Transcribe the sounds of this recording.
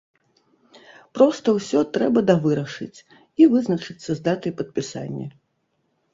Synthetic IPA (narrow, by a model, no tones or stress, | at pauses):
pɾɔst̪ɐwsʲɔt̪ɾɛbɐd̪avɨɾɐʂɨ̰t͡sʲ | ivɨznɐt͡ʂɨt̪t͡ssːɐzd̪at̪ɨjpɐt̪̚pʲisa̰nʲːḭ